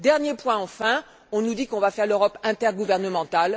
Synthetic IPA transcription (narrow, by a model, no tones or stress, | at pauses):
d̪ɛʁnjepwɛ̃ɑ̃fɛ̃ | ɔ̃nud̪ikɔ̃vafɛʁløʁɔpɛ̃t̪ɛʁɡuvɛʁnəmɑ̃t̪al